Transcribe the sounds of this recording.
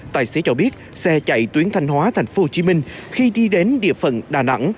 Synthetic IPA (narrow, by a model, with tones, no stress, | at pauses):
t̪a̰ː˧˨˩jse˨˦t͡ɕɔ˧ɓi˦˥ət̚ | sɛ˧t͡ɕa̰˧˨jt̪wi˨˦ənt̪ʰa˧jŋ̟hɦwaː˨˦t̪ʰɛ˨˩jŋ̟fo˨˦ho˧t͡ɕi˨˦mï˧ŋ̟xi˧ɗi˧ɗe˨˦nɗḭ˧˨əfə̰˧˩nɗaː˨˩na̰˧˥ŋ